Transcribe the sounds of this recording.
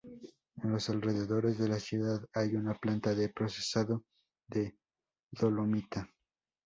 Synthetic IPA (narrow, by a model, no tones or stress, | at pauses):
enlo̞salre̞ðe̞ðo̞ɾe̞zðe̞lasjuðaðajunaplant̪aðe̞pɾo̞se̞saðo | ðe̞ | ðo̞lomit̪a